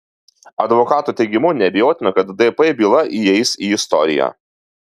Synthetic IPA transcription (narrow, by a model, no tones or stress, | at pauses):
ɐd̪ʋɔkɑːt̪uːˑt̪ʲɛɪɡʲɪmʊnʲɛbʲɪjoːt̪ʲɪnɐkɐt̪d̪ɛpɛbʲiːlˠɐʔiɛɪsiɪst̪ɔɾʲɪ̰jæ̰ː